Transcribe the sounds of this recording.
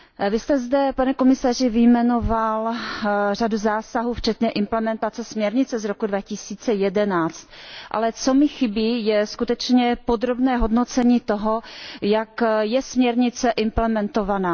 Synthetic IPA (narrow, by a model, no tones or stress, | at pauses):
vɪst̪ɛzd̪ɛpanɛko̞mɪsar̝ɪvɪjmɛno̞val | r̝aduzaːsaɦuːft͡ʃɛt̪ɲɛʔɪmplɛmɛnt̪at͡sɛsmɲɛɾɲɪt͡sɛzɾokudvacɪsiːt͡sɛjɛdɛnaːt͡st̪̚ʔa̰lɛt͡somɪxɪbiːjɛskut̪ɛt͡ʃɲɛpod̪ɾo̞bnɛːɦo̞dnot͡sɛɲiːt̪oɦo̞jakjɛsmɲɛɾɲɪt͡sɛʔɪmplɛmɛnt̪ovanaː